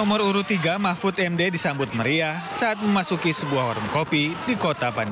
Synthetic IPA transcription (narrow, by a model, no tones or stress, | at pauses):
ɔmʊɾuɾʊt̪iɡamafʊt̪ɛmdedisambʊt̪̚məɾiasaat̪̚məmasukisəbuahɔɾəŋkopidikot̪apan